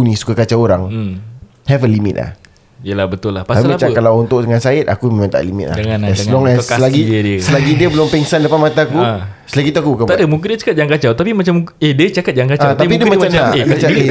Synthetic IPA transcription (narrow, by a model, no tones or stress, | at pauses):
unĩsu̥kakat͡ʃaoɾaŋ | hɛfəlimḭt̪̚la̰h | ijəlahbət̪ʊlahpasapiaimat͡ʃakalawunt̪ʊʔdəŋansaɪt̪̚a̰kuməmant̪a̰ʔlimḭt̪̚la̰aanaslɔŋɛsəlaɡiədiəsəlaɡidiəbəlʊmpɛŋsanləpanmat̪aku | səlaɡit̪uakubukant̪adəmuk̬idiət͡ʃakat̪̚jaŋkat͡ʃawt̪apimat͡ʃamediət͡ʃakat̪̚d͡ʒaŋkaat̪apidiəmaamnakat͡ʃae